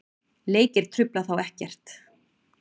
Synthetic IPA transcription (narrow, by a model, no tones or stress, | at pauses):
leːjcɪɾ̥t̪ʰɾʏplaθawɛhcɛr̥t̪